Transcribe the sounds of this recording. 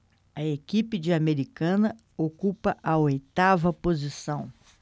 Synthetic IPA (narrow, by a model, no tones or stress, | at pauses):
ɐekipɪd͡ʒɪameɾikɐ̃nɐ | okupɐʔɐojt̪avɐpozisɐ̃w̃